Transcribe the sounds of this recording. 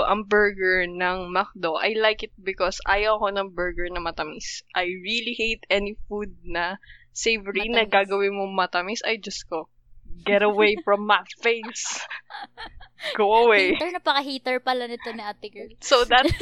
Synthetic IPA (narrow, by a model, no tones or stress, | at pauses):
ʔɐŋbɛɹɡɛɹnɐŋmak̚d̪oʔɐjlajkɪt̪̚bɪkɔsʔa̰ːjɐwɐkonɐŋbɛɹɡɛɹnɐmɐt̪ɐmisʔajɹilihejt̪ɛnifud̪̚nɐ | sejvɹinɐɡaːɡɐwɪnmoŋmɐt̪ɐmisɐjd͡ʒɐsko | ɡɛɾɐwejfɹɔmːɐfeɪs | ɡ̥owɐwejnɐpɐkɐɦiːt̪ɛɹpɐlɐnɪt̪onɐɐt̪ɪɡɛsod̪ɐt̪̚